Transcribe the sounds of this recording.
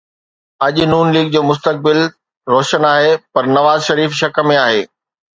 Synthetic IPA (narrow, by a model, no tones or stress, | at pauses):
ɐʄnuːnliːɡ̚d͡ʑoːmʊs̬t̪ək̚bɪl | ɾoːʃənaːɦepɐɾnɐʋaːzʃɐɾiːfʃɐkəmẽaːɦeː